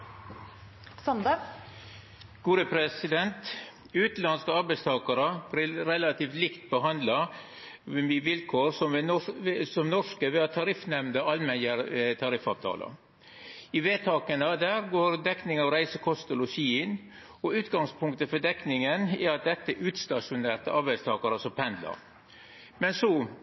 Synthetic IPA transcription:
sɔnd̪ɑ | ɡ̥uːɾəpʰɾɛsɪd̪ɛnt̪ | ʉːt̪lɑnskəɑɾbæɪst̪ʰɑːkɑɾəbɾɪɾɛlɑt̪ʰiːft̪lɪkt̪̚bəɦɑnd̪lɑ | miʋɪlkʰoːɾsɔmʋɔsɔmnɔʂkəʋɛɑt̪ʰɑɾɪfnɛmnd̪əɑlmɛnjəɾt̪ʰɑɾɪfɑ̰ːʋt̪ʰɑ̰ːlə̰ | ɪʋeːt̪ʰɑːkənəd̪æːɾɡoːɾd̪ɛknɪŋɑʋɾæɪsəkʰɔst̪əlɔçiːɪn | ɔʉːt̪ɡɑŋspʰʊŋkt̪əfɔd̪ɛknɪŋənɛɾɑt̪̚d̪ɛt̪ːəɛʔʉːt̪st̪ɑʂʊneːɾʈ̪əʔɑɾbæɪst̪ʰɑːkɑɾəsɔmpʰɛnd̪lə̰ɾ | mɛnsɔ

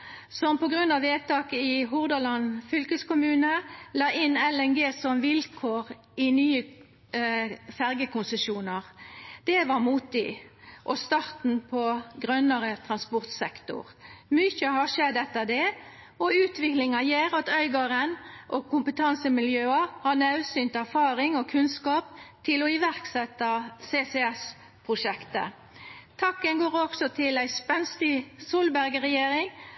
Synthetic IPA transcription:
sɔmpɔɡɾʉnːɑʋeːt̪ɑːkəɪɦʊʁd̪əlɑnfʏlkəskʊmʉːnəlɑːʔɪnɛlɛnɡeːsɔmʋɪlkʰoːʁ | ɪnyːə | fæʁɡəkʊnsəʃuːnəʁd̪̥ɛʋɑʁmuːt̪ɪʔɔst̪ɑʁt̪n̩pʰɔɡʁœnəʁət̪ʰʁɑnspɔʁt̪sɛkt̪ʊ̰ʁmʏçəɦɑʂɛd̪ːɛt̪ːəd̪ɛ | ɔʉːt̪ʰʋɪklɪŋɑjeːɾɑt̪œʏɡɑɾənʔɔkʊmpət̪ʰɑnsəmɪljøːɑhɑnɑʉsyːnt̪əæfɑːɾɪŋɔkʰʉnskɑːp̚t̪ʰɪlɔɪʋæʁksɛt̪ːɑsesɛɛs | pʰʁʊʂɛkt̪ə̰ | t̪ʰɑkːənɡoːʁɔksɔt̪ʰɪlæɪspɛnst̪ɪsuːlbæɾɡəʁɛjeːɾɪŋ

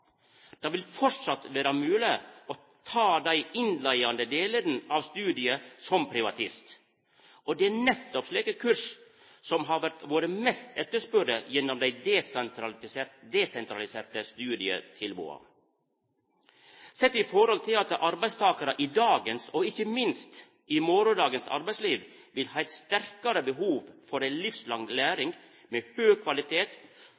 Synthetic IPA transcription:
d̪̥ɑːʋɪlfɔʈʂɑt̪ʋeːɾɑmʉːlɪɔ | t̪ʰɑːd̪æɪɪnlæɪɑnd̪əd̪eːləɾn̩ɑʋst̪ʉːd̪ɪəsɔmpʰɾɪʋɑt̪ʰɪst̪ | ʔɔd̪ɛænɛt̪ːɔpʂliːkəkʰʉɾʂ | sɔmɦɑʋæɾt̪ʋoːɾəmɛst̪ɛt̪ːəʂpœɾəjɛnːɔmd̪æɪd̪ɛsnt̪ʰɾɑsed̪esɛnt̪ʰɾɑlɪseːɾt̪əst̪ʉːd̪ɪə̰t̪ʰɪlbṵːɑ̰ | sɛt̪ːɪfɔɾhɔlt̪ʰɪlɑt̪əʔɑɾbæɪst̪ʰɑːkɑɾəʔid̪ɑːɡənsɔɪçəmɪnst̪ | imɔɾʊd̪ɑːɡənsɑ̰ɾbæɪsliːʋ | ʋɪlhɑːæɪt̪st̪æɾkɑɾəbəɦuːʋfɔɾæɪlɪfslɑŋlæːɾɪŋɡ | meːhøːkʰʋɑlɪt̪ʰeːt̪

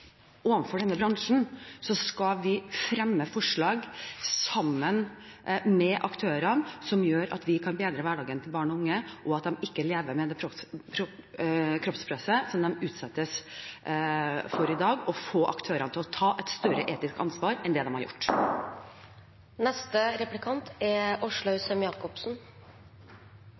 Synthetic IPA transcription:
ʔoːʋɑnfɔɖɛnːəbɾɑŋʂn̩sɔskɑʋɪfɾɛmːəfɔʂɭɑːɡsɑmːən | mɛʔɑkt̪ʰøːɾɑnsɔmjøːɾɑ̰t̪ʋɪkʰɑnbeːd̪ɾəʋæɖɑːɡənt̪ʰɪlbɑːɳɔʊŋːəʔɔɑt̪̚d̪ɛmɪkːəleːʋəɾmɛd̪ɛkʰɾɔpʰɾ | kʰɾɔpspʰɾɛsəsɔmd̪ɛmʉːt̪sɛt̪ːəs | fɔɾɪd̪ɑːɡɔfoːʔɑkt̪ʰøːɾɑnt̪ʰɪlɔt̪ʰɑːʔɛt̪st̪œɾə̰ʔeːt̪ɪskɑ̰nsʋɑːɾɛnd̪ɛd̪ɛmhɑ̰ɾjʊ̰ʈː | nɛst̪əɾɛplɪkʰɑnt̪ɛʊʂɭʊʉsəmjɑːkɔpsn̩

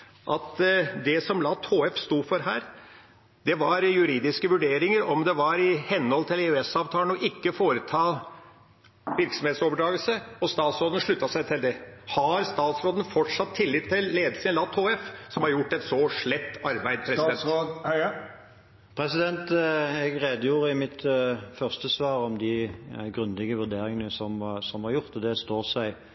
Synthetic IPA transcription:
ʔɑt̪d̪ɛsɔmlɑt̪ʰoːɛfst̪uːfɔɾɦæːɾ | d̪̥ɛʋɑɾjʉɾiːd̪ɪskəʋʉɖeːɾɪŋəɾɔmd̪ɛʋɑɾɪhɛnːəhɔlt̪ɪleʉɛsɑːʋt̪ʰɑːlənɔʔɪkːəfoːɾət̪ʰɑː | ʋɪɾksɔmheːt̪soːbəɖ̪ɾɑːɡəlsəɔst̪ɑːt̪sɾoːd̪ənʂɭʉt̪ːɑsæɪt̪ʰɪld̪ɛhɑɾst̪ɑːt̪sɾoːd̪ən̩fɔʈʂɑt̪ʰːɪlːɪt̪ʰːɪlleːd̪lsəənlɑːt̪ʰoːɛfsɔmhɑɾjʊʈːɛt̪sɔʂɭɛt̪ːɑɾbæɪd̪̚pʰɾɛsɛn | pʰɾɛsɪd̪ɛnt̪ɛɡʁeːd̪əjuːʁəɪmɪt̪fœʁst̪əsʋɑːʁɔmd̪ɪɡʁʉnd̪ɪɡəʋʉʁd̪eːɾɪŋənəsɔmsɔmhɑɾjʊʁt̪ɔd̪ɛst̪oːsæɪ

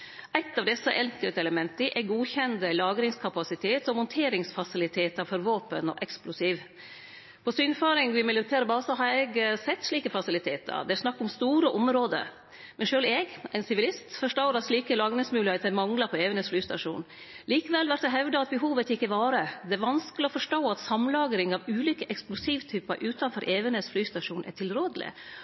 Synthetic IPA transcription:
ʔæɪt̪ːɑʋd̪ɛsəʔɛŋkəlt̪ɛləmɛnt̪əʔɛɡuːçɛnd̪əlɑːɡɾɪŋskʰɑpɑsɪt̪ʰeːt̪ɔmʊnt̪ʰeːɾɪŋsfɑsɪlɪt̪ʰeːt̪əɾfɔɾʋoːpənɔ̰ʔɛksplʊsiːʋ | pʰɔsyːnføːɾɪŋʋɪmɪljʊɾt̪ʰæːɾəbɑːsɑɦɑɾɛɡsɛt̪ːʂɭiːkəfɑsɪlɪt̪ʰeːt̪ʰɑ̰ɾd̪ɛæʂnɑkːʊmst̪uːɾəʔʊmɾoːd̪ə̰ | mɛnʃøːlɛɡæɪnsɪʋɪlɪst̪fɔʂʈoːɾɑt̪ʂliːkəlɑːɡɾɪŋsmʉːlɪheːt̪əmɑŋlɑpʰɔeːʋənəsflyːst̪ɑʂṵːn | liːkəʋɛlʋæɾʈ̪̚d̪ɛɦɛʋd̪əɑt̪̚bəɦuːʋət̪ɪkːəʋɑːɾəd̪ɛæɾʋɑnskəlɪɔfɔʂʈoːɑt̪sɑmlɑːɡɾɪŋɑʋʉːliːkəʔɛksplʊsiːʋt̪ʰyːpəɾʔʉːt̪ɑnfɔɾʔeːʋənəsflyːst̪ɑʂuːnʔæ̰ʈʰɪlɾoːd̪əlɪ̰

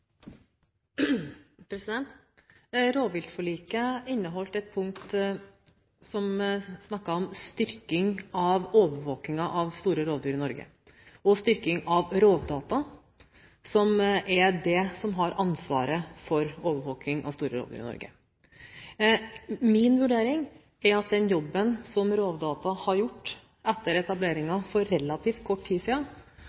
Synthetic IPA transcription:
pʰɾɛsɪd̪ɛnt̪ | ɾoːʋʋɪlt̪fɔɭiːkəɪnːəɦɔlt̪ɛt̪̚pʰʊŋk̚t̪ | sɔmsnɑkːɑɔmst̪ʏɾkɪŋɑʋoːʋəʋoːknɪŋɑʔɑʋst̪uːɾəɾoːd̪yːɾɪnɔɾɡə̰ | ɔst̪ʏɾkɪŋɑʋɾoːʋd̪ɑːt̪ɑ | sɔmʔɛɖɛsɔmɦɑɾʔɑnsʋɑ̰ːɾəfɔɾoːʋəʋoːknɪŋʔɑ̰ʋst̪uːɾəɾo̰ːd̪y̰ːɾɪnɔ̰ɾɡə̰ | mɪnʋʉɖeːɾɪŋ | ɛɾɑt̪̚d̪ɛnjɔbːənsɔmɾoːʋd̪ɑːt̪ɑhɑɾjʊʈː | ɛt̪ːəɾɛt̪ɑbleːɾɪŋɑfɔɾːɛlːɑt̪ʰiːft̪̚kʰɔʈʰːt̪ʰiːsiːɑ

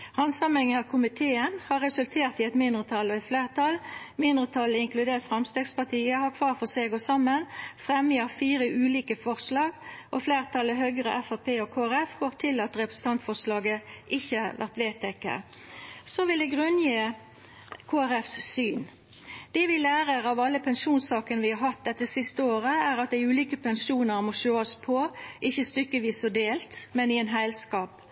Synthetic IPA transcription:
hɑnsɑmɪŋəɑkʰʊmɪt̪ʰeːənhɑɾɛsʉlt̪ʰeːʁt̪ɪɛt̪mɪnd̪ʁət̪ʰɑlːɔɛt̪fleːʁt̪ʰɑlmɪnd̪ʁət̪ʰɑləɪŋklʉd̪eːʁt̪fʁɛmst̪eːɡspɑʁt̪ʰiːəhɑkʰʋɑːʁfɔseːɡosɑmːənfʁɛməɑfiːɾəʔʉːliːkəfɔʁslɑːɡʔɔfleːʁt̪ʰɑləɦøːɡəʁə̰ʔɛfɑpʰeːɔkʰoːæɾɛfhoːʁt̪ʰɪlɑt̪ʁɛpʁəsən̩t̪ʰɑnt̪fɔʁslɑːɡəʔɪçːəʋæ̰ʁt̪ʋeːt̪ʰɛkːə̰ | sɔʋɪld̪ɛɡʁʉnjiː | kʰoːæɾɛfssyːn | d̪̥ɛʋɪlæːʁəʁɑʋɑlːəpʰɛnʃuːnsɑːkənəʋɪhɑɦɑt̪̚d̪ɛt̪ːəsɪst̪əoːɾəæʁɑt̪̚d̪æɪʉːliːkəpɛnʃuːnəʁmɔʃoːɑspʰɔʔɪçːəst̪ʏkəʋiːsɔd̪eːlt̪mɛnɪɛnɦæɪlskɑːp

